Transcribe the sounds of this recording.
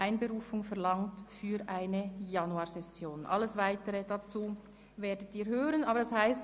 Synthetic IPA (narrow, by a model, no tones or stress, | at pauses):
aɪnbəʁuːfʊŋfɛɐʁlɑŋtfyːɾʔaɪnəjɑnuaːsɛsjoːnʔɑ̰lːəsvaɪtəʁəd̥at͡suː | veːdətiːɾhøːʁənɑːbəɾɑshaɪst